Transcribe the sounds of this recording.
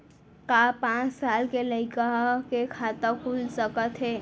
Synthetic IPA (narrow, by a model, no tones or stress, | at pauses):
kapãːt͡ʃsaːlkeləɪkaɦkekʰaːt̪əkʰulsəkət̪ɦɛː